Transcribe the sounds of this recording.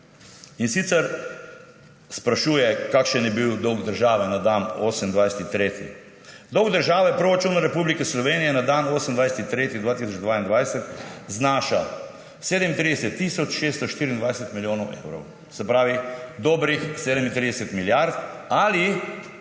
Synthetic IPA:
insit̪sɛɾ | spɾaʃuːjɛkakʃənjɛbiwd̪ɔwɡd̪əɾʒaːʋɛnad̪ano̰ːsɛmind̪ʋajsɛt̪it̪ɾeːt̪ḭ | d̪ɔwɡd̪əɾʒaːʋɛpɾoɾat͡ʃuːnaɾɛpuːblikɛslɔʋeːnijɛnad̪anoːsəmnd̪ʋajsɛt̪it̪ɾeːt̪id̪ʋaːt̪isɔd͡ʒd̪ʋaːind̪ʋajsɛt̪znaːʃa̰ | seːd̪ɛmint̪ɾiːd̪ɛsɛt̪ːisɔt͡ʃʃeːst̪ɔʃt̪iːɾind̪ʋajsɛt̪miljoːnɔwʔḛwɾɔ̰w | sɛpɾaːʋid̪ɔːbɾixseːd̪ɛmint̪ɾid̪ɛsɛt̪miljaɾt̪ali

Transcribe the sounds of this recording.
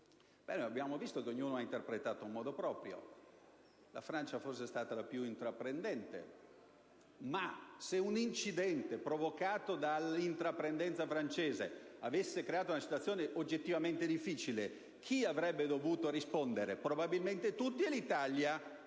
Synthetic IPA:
b̥ɛ̰nojabːjaːmovist̪ok̟eoɲːuːnoaint̪erpɾet̪aːt̪oimːɔːd̪opɾɔːpɾjo̰ | la̰fɾant͡ʃafosːest̪aːt̪alapjuint̪ɾapːɾend̪ɛnt̪ḛ | maseunint͡ʃid̪ɛnt̪epɾovokaːt̪od̪alint̪ɾapːɾend̪ɛnt̪safɾant͡ʃeːzḛavesːekɾeaːt̪ounasit̪wat̪sːjoːneʔod͡ʒːet̪ːivament̪ed̪ifːiːt͡ʃile | kʰiavɾɛbːed̪ovuːt̪oɾispond̪eɾepɾobabilment̪et̪ut̪ːielit̪alja

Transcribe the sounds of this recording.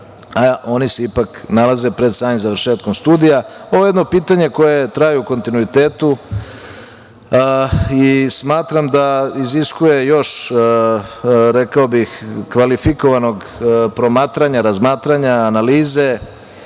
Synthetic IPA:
aʔo̞niseipaknalaze̞pɾe̞d̪saːɲzaʋɾ̩ʃe̞ːt̪̚ko̞mst̪uːd̪ijaoʋoje̞d̪no̞piːt̪aɲe̞ko̞je̞t̪ɾajuuko̞nt̪inuit̪eːt̪u | ismaːt̪ɾamd̪aiziskuje̞jo̞ʃ | ɾe̞kaobixkʋalifiko̞ʋano̞ɡ | pɾo̞maːt̪ɾaɲaɾazmaːt̪ɾaɲaːnaliːze̞

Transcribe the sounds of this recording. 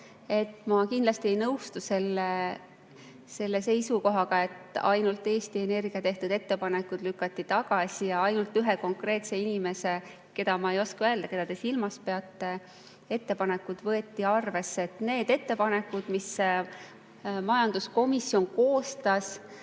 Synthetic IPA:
e̞t̪ːˑmɑkind̪lɑst̪ie̞jnɤwst̪use̞lːe | se̞lːe̞se̞jsuko̞ɦɑɡ̥ɑe̞t̪ːɑ̰jnult̪ːˑe̞ːst̪ie̞ne̞rɡ̥iɑt̪e̞ht̪ud̪̥e̞t̪ːe̞pɑne̞kud̪̥lykːˑɑt̪ːit̪ɑɡ̥ɑsʲijɑɑjnult̪ˑːyɦeko̞ŋkre̞ːt̪se̞inime̞se̞ | ke̞d̪̥ɑmɑe̞jo̞skɑøeld̪ɑke̞d̪̥ɑt̪e̞silmɑspe̞ɑt̪ːˑe | e̞t̪ːe̞pɑnekːˑud̪̥vɤe̞t̪ˑːiɑrve̞sːeet̪ne̞ːd̪e̞t̪ːe̞pɑne̞kːˑud̪̥mis | mɑjɑnd̪̥usko̞misːjo̞nko̞ːst̪ɑs

